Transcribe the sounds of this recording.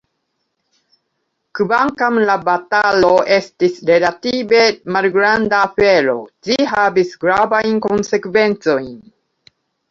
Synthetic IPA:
kvaŋkamlabataloe̞stisɾe̞latibe̞malɡɾandafe̞ɾo̞̰d͡ʒiɦavisɡɾavajnko̞nse̞kve̞nt͡so̞jn

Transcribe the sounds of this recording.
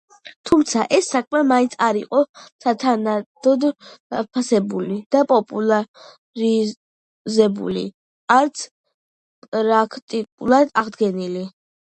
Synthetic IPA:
t̪ʰumt̪sʰaʔɛsːakʰʼmɛmaint̪sʰaɾiqʼɔsat̪ʰanad̪̥ɔd̪apʰasɛbulid̪̥apʼɔpʼulˠa | ɾi | zɛbṵli | aɾt̪sʰ | pʼɾakʰt̪ʼikʼṵlˠad̪aʁd̪ɡɛnili

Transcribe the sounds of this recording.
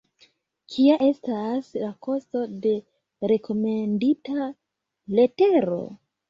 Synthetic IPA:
kʰiaʔe̞staslako̞sto̞de̞ | ɾe̞ko̞mendita | le̞te̞ɾo̞̰

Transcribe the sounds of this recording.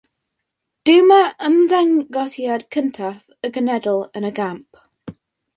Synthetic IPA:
d̥ʉːməʔəmðɛŋɡɑtiadkʰə̃ntʰaf | əɡənɛdəlˠə̃nəɡãmp

